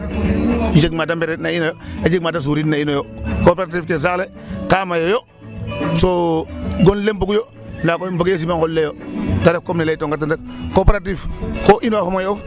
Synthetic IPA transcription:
d͡ʒekmadambeɾenainojoad͡ʒek̚mat̬as̬uɾinainojokopeɾat̬ifkens̬akle | kamajojo | soɡonlemboɡujo | ndakoboɡjes̬imaŋkollejotaɾefkomnileitoŋɡat̬ːandak | kopeɾatifkoʔinoakomajof

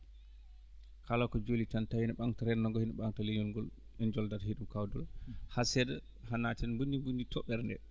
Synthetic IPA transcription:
kʰalakɔd͡ʒolit͡ʃantahinɓaŋtaɾɛnnːɔŋɡɔhinɛɓaŋtaleɲɔnɡɔl | ɛnd͡ʒɔldatheɗumkawdɔlahasɛdɛ | hanatɛnbundimbunditʰɔɓɛɾndɛ̰

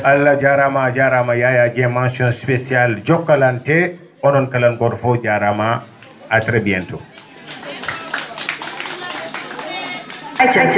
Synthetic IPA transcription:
alːad͡ʒaɾamad͡ʒaɾamajajad͡ʒɛmãnsiɔnspesiald͡ʒɔkːalantɛ | ɔnɔnkalanɡɔɾfɔd͡ʒaɾama | atɾebiɛntɔ | at͡ʃat͡ʃ

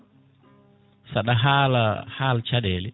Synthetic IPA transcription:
saɗaɦala̰haːlt͡ʃaɗɛːlɛ

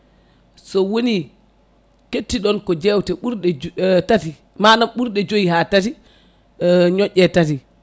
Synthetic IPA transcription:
sɔwoni | ketːiɗɔnkɔd͡ʒɛwtɛɓuɾɗɛtati | maːnamɓuɾɗɛd͡ʒoiɦaːtati | ɲɔʔʲːɛtati

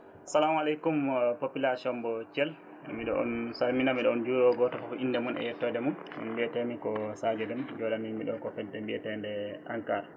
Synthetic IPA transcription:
asalamalejkumpopilasiɔmbɔt͡ʃɛl | miɗɔ̰ʔɔ̰nsalminamiɗɔɔnd͡ʒuɾɔɡɔtɔfɔkɔʔinːdɛmunʔɛ̰jɛtːɔdɛmunmbiɛtɛmikɔsad͡ʒɛɗumd͡ʒɔlanimiɗɔkɔfɛdːɛmbiɛtɛndɛaŋkaːɾa

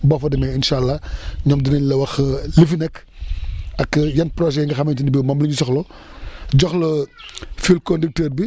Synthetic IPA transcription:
bɐfɐdɐmɛinʃalːaɲɔːmdinɐɲlɐwɐxlifinɛk | ɐkːəjɐnprɔʃ̬ɛŋɡɐxɐmɐntinibimɐmluɲusɔxlɔ | ɟɔxlo | filkondik̚tɛːrbi

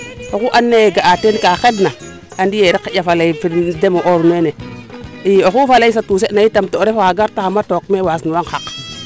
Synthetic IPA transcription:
okuʔanːeeɡaʔatenkaxedna | andijeɾikːajafalaifiɾdemoʔoɾneneioxufalaisatus̬enajitamtoɾefaɡaɾtaamatokmewasnuwaŋxak

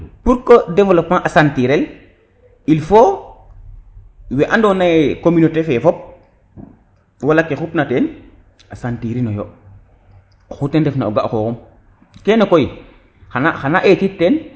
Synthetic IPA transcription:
puɾkodɛvolopmaʔasantiɾɛl | ilfo | weʔandonakomynotefefɔp̚ | walakexupnaten | asantiɾinojo | xutendɛfnaoɡaʔxokum | kenokoji | xanaxanaʔetitːen

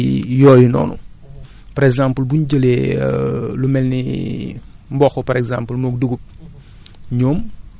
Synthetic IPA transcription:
jɔːjinɔ̰ːnṵ | paɾɛɡzãmpəlbunɟəle | lumɛlni | mbɔxɔpaɾɛɡzãmpəlmok̚duɡup̚ | ɲoːm

